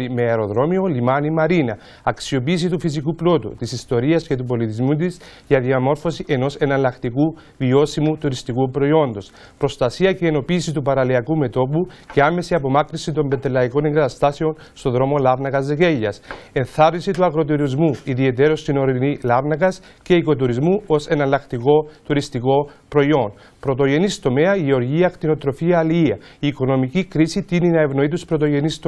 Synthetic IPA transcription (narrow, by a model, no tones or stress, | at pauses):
imeeɾo̞ðɾo̞mio̞limanimɐɾinɐː | ksio̞piːs̬it̪ufis̬ikuplo̞t̪ṵt̪isist̪o̞ɾiɐsce̞t̪upo̞lit̪izmut̪̬iz | ʝɐðiɐmo̞ɾfo̞siʔe̞no̞se̞nɐlːɐkt̪iku | vio̞simut̪uɾist̪ikupɾo̞io̞nd̪o̞s | pɾo̞st̪ɐsiɐce̞eːno̞piːsit̪̬upɐɾɐliɐkume̞t̪o̞puce̞ame̞siɐpo̞makɾisit̪o̞mbet̪elːɐiko̞neŋɡɐt̪ɐst̪aseo̞n | st̪o̞ðɾo̞mo̞lɐvnɐkɐzeke̞ʝːɐsenθɐɾnisit̪uɐɣɾo̞t̪uɾizmuiðie̞t̪e̞ɾo̞st̪ino̞ɾinilɐvnɐkɐsce̞iko̞t̪̬uɾizmuo̞se̞nɐlɐkt̪iko̞t̪uɾist̪iko̞pɾo̞io̞n | pɾo̞t̪o̞ʝe̞nist̪o̞me̞ɐʝeo̞ɾʝiɐkt̪ino̞t̪ɾo̞fiɐːliiɐiːko̞no̞micikɾisit̪ininɐevno̞it̪uspɾo̞t̪o̞ʝe̞nist̪